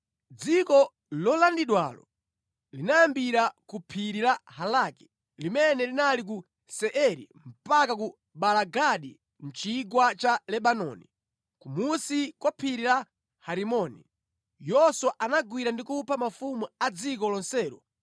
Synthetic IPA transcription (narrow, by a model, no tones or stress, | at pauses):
d͡zikɔ | lɔlandiɗwa̰lɔ̰ | linajambiɾakupʰiɾiɾahalaki̥ | limɛnɛlinalik̬u | sɛʔɛɾḭm̩pakak̬u | ɓalaɡaɗḭ | n̩t͡ʃiɡwat͡ʃalɛɓanɔ̰ni | kumusikwɔpʰiɾila | haɾimɔnḭ | jɔswɔʔanaɡwiɾandikupʰamafumuad͡zikɔlɔnsɛːɾɔ